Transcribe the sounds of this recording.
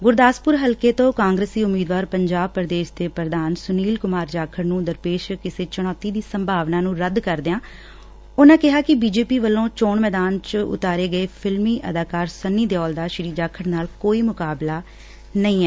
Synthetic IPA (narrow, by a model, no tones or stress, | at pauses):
ɡʊɾd̪aːspʊɾɦəlkeːt̪õːkãːŋɡɾeːsd̪iːʊmːiːd̪ʋaːɾpəɲd͡ʒaːb̚pəɾəd̪eːʃd̪eːpɾəd̪aːnsʊniːlkʊmaːɾd͡ʒaːkʰəɾnũːd̪əɾpeːʃkɪseːt͡ʃəɽ̃ɔːt̪iːd̪iːsəmbʱaːʋnaːnũːɾəd̪kəɾd̪eãː | ʊnãːkɪɦaːkɪbiːd͡ʒeːpiːʋəlːõːt͡ʃoːɳmɛːd̪aːnt͡ʃʊ̰t̪aːɾeːɡəeːpʰɪlmiːʔə̰d̪aːkaːɾsənːiːd̪eːɔːld̪aːʃɪɾiːd͡ʒaːkʰəɾnaːlkoːiːmʊkaːblaː | nəĩːɛː